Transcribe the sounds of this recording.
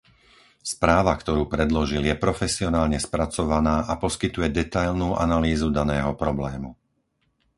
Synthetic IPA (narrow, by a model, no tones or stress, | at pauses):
spɾaːʋakt̪ɔɾuːpɾɛd̪lɔʒiljɛpɾɔfɛsiɔnaːlɲɛspɾat͡sɔʋanaːʔapɔskit̪ujɛd̪ɛt̪ajlnuːʔa̰naliːzud̪anɛːɦɔpɾɔblɛːmu